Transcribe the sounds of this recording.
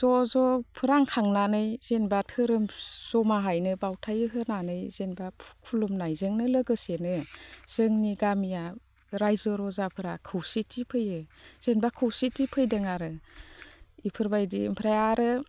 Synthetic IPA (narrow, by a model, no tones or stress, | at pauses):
z̥ɔzɔpʰɯɾaŋkʰaŋnanɯjz̥enbatʰɯɾɯmz̥ɔmaɦajnɯbawtʰajɯɦɯnanɯjzenbapʰkʰulumnajzɯŋnɯlɯɡɯsenɯz̥ɯŋniɡamija | ɾajzɔɾɔzapʰɯɾakʰɯwsitʰipʰɯjɯz̥enbakʰɯwsitipʰɯjdɯŋaɾɯ | ipʰɯɾbajdimpʰɾajaɾɯ